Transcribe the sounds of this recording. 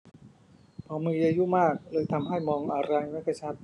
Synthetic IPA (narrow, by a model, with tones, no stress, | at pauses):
pʰɔː˩˦mɯː˧ʔaː˧ju˦˥maː˥˩k̚lɤː˧jt̪ʰa˧mha˥˩jmɔː˧ŋʔa˧ɾa˧jma˦˥kʰa˥˩t͡ɕʰa˦˥t̪̚